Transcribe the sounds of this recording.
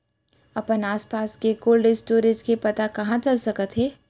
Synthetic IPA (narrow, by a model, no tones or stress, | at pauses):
ɐpənaːspaːskekoːlɖɪsʈoːɾed͡ʒkepɐt̪akɐɦãt͡ʃɐlsɐkət̪ɦɛː